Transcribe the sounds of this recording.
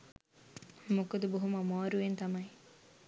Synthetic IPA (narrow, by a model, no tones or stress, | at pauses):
mokod̪uboɦumɐmaːɾuent̪ɐmɐi